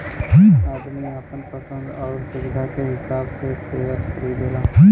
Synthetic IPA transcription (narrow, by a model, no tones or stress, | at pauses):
aːd̪əɾneɐpənpəsə̃nd̪ɔːɾsʊʋɪd̪ʱakeɦɪsaːbseseɦətʰəɾid̪eːla